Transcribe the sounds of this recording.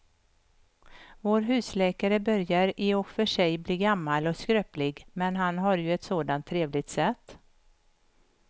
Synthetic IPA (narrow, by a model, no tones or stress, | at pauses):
voːɾɦʉ̟ːslɛːkaɾəbœɾjaɾɪɔkfœʂɛjbliːɡamːalɔkskɾøːplɪɡmɛnɦanɦaɾjɵɛt̪soːd̪ant̪ʰːɾeːvlɪɡ̚t̪sɛt̪ː